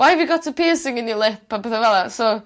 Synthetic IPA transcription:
waɪəvjəɡɔtʰəpʰeːsɪ̃ŋɪ̃njəlˠɪpabəðəvɛlˠaso

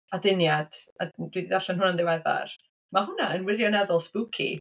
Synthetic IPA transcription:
adɪnjad̥ad̥wiðidaɬɛnɦʊnanðɪwɛða̰r | maɦʊnaənwɪrjɔnɛðɔlˠspukʰḭ

